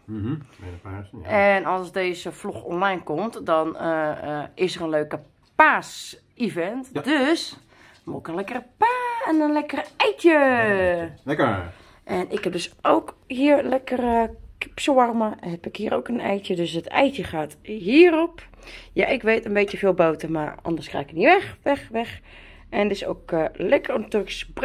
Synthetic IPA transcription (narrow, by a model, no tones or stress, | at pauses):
ɛnɔlˠsdeːzəfluxɔ̰nlajnkomtdɔn | ɪsərənløːkə | paːs | ivɛntdøs | moɪkənlɛkərəpaːɛnənlɛkərɛjtjə | ʔɛnɪkhɛp̚døsoːkhiərlɛkərəkɪ̥pswɔrməhɛpɪkhiəɾo̰ːkənɛjtjədøsətɛ̰jtjəxaːtɦiːərop | ja̰ʔɪkʋeːtənbeːtjəfeːlˠbowtəmarɔ̰ndərskra̰ːkəniʋɛxʋɛxʋɛx | ɛndɪso̰ːklɛkərnatyəlɪksp